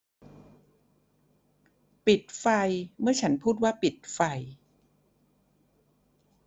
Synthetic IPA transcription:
pi˨˩t̪̚fa˧jmɯ˥˩ɐt͡ɕʰa˦˥npʰuː˥˩t̪̚waː˥˩pi˨˩t̪̚fa˧j

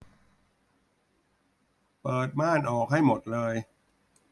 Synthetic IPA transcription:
pɤː˨˩t̪̚maː˥˩nʔɔː˨˩k̚ha˥˩jmo˨˩t̪̚lɤː˧j

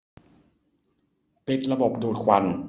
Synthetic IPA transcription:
pi˨˥˩t̪̚ɾa˧bo˨˩p̚duː˨˩t̪̚kʰwa˧˩n

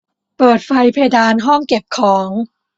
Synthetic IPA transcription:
pɤː˨˩t̪̚fa˧jpʰeː˧jdaː˧nɦɔ˥˩ŋke˨˩p̚kʰɔː˩˦ŋ

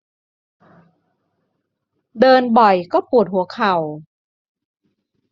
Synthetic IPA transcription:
dɤː˧nbɔ˨˩jkɔː˥˩pʰuː˨˩t̪̚hu˩˦ɐkʰa˨˩w

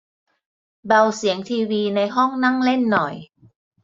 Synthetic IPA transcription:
ba˧wsi˩˦əŋt̪ʰiː˧wiː˧na˧jɦɔ˥˩ŋna˥˩ŋle˥˩nːɔ˨˩j

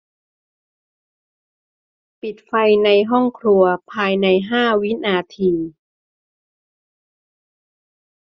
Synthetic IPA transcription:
pi˨˩t̪̚fa˧jna˧jɦɔ˥˩ŋkʰɾu˧ɐpʰaː˧jna˧jɦaː˥˩wi˦˥naː˧t̪ʰiː˧

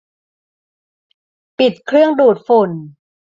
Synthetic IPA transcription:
pi˨˩t̪̚kʰɾɯ˥˩əŋduː˨˩t̪̚fu˨˩n

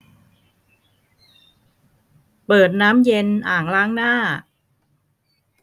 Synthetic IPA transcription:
pɤː˨˩t̪̚naː˦˥mje˧nʔaː˨˩ŋlaː˦˥ŋnaː˥˩

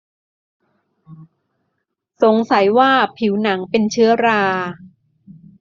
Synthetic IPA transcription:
so˨˩˦ŋsa˩˦jwaː˥˩pʰi˩˦wna˩˦ŋpe˧nt͡ɕʰɯ˦˥ɐɾaː˧

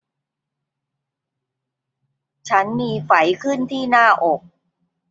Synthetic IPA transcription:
t͡ɕʰa˦˥nmiː˧fa˩˦jkʰɯ˥˩nt̪ʰiː˥˩naː˥˩ʔo˨˩k̚

